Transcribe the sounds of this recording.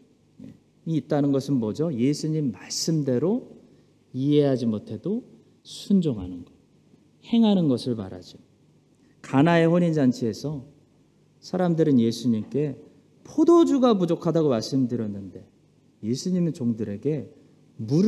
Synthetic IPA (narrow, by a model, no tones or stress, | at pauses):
nḛ | iːt̚t͈anɯnɡʌsʰɯnmʌd͡ʑoje̞sʰuɲimːaɭs͈ɯmde̞ɾo | ie̞ɦad͡ʑimotʰe̞do | sʰund͡ʑoŋɦanɯnɡʌ | he̞ŋɦanɯnɡʌsʰɯɭma̰ɾa̰d͡ʑo | kanae̞ɸoɲind͡ʑant͡ɕʰee̞sʰʌ | sʰaɾamdɯɾɯnjesʰuɲimk͈e̞ | pʰodod͡ʑuɡapud͡ʑokʰadaɡomaɭs͈ɯmdɯɾjʌnːɯnde̞ | je̞sʰuɲimet͡ɕoŋdɯɾe̞ɡe̞ | muɾ